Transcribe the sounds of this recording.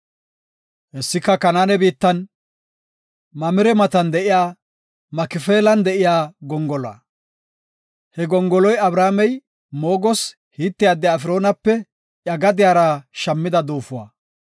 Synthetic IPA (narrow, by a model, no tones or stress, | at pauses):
ʔɛsːɪkːɐkɐnaːnɛbiːt̪ːɐn | mɐmɪɾɛmɐt̪ɐnd̪ɛʔɪjaː | mɐkɪfeːlɐnd̪ɛʔɪjaːɡɔŋɡɔlɔa̰ː | hɛɡɔŋɡɔlɔjɐbɾaːmɛj | mo̞ːɡɔs | hiːt̪ːɪjaːd̪ːɛːfɪɾo̞ːnɐpːɛ | ʔjɐɡɐd̪ɪjaːɾɐʃɐmːɪd̪ɐd̪uːfʊwa̰ː